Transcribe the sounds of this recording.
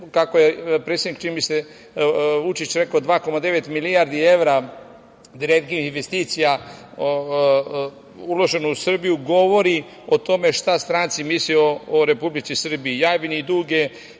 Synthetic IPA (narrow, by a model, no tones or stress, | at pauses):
kakojepɾet̪sʲed̪ikt͡ʃinimbise | ʋut͡ʃit͡ɕɾe̞kaod̪ʋaːko̞mad̪e̞ʋet̪milijaɾd̪ie̞ʋɾa | d̪iɾet̪ɡiiinʋest̪iːt̪sija | o | ulo̞ʒe̞nuusr̩bijuɡo̞ʋo̞ɾi | ot̪o̞me̞ʃt̪ast̪ɾaːnt̪simislioːɾe̞publit̪sisr̩biːjaːbinid̪uːɡe